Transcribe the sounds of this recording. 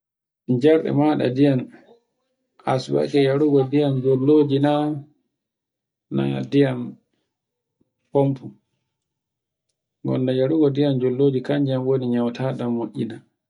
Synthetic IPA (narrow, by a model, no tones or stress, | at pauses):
ɲd͡ʒɛɾɗɛ̰maɗa̰dijan | asba̰kɛjaɾuɡɔdijamd͡ʒolːoːd͡ʒina | na̰dijam | pompʰu | ɡɔ̰ndajaɾuɡɔdijamd͡ʒolːoːd͡ʒikaɲd͡ʒiamwoniɲawtʰaɗamːoʔʲːina